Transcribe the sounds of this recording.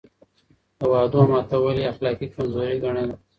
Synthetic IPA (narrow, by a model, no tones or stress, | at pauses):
awɑːd̪omɑt̪awaliaxlɑːkikamzoːɾiɡaɳed̪a